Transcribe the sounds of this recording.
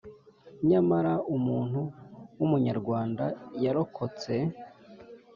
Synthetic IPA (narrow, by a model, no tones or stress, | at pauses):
ɲamaɾaumuːn̥huwumuɲaɾɡwaːndajaɾo̞kʰo̞t͡se̞